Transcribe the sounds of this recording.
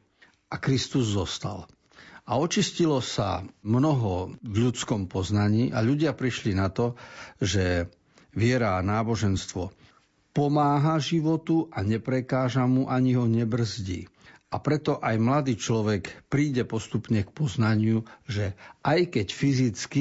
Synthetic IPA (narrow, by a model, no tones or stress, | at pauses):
ʔakɾist̪uzːɔst̪a̰l | aɔt͡ʃiscilɔsa̰mnɔɦɔvʎut͡skɔmpɔznaɲiːʔaʎuɟɪapɾiʃlinat̪ɔʒɛ | ʋɪɛɾaːnaːbɔʒɛnst̪ʋɔ | pɔmaːɦaʒiʋɔt̪uʔaɲɛpɾɛkaːʒamuʔaɲiɦɔɲɛbr̩zɟḭːʔapɾɛt̪ɔʔajmlad̪iːt͡ʃlɔʋɛkpɾiːɟɛpɔst̪upɲɛkpɔznaɲɪuʒɛʔajkɛcfizit͡ski